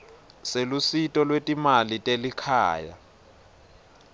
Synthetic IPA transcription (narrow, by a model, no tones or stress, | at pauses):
selusitʼɔlwetʼimalitʼelikʰa̰ːja̰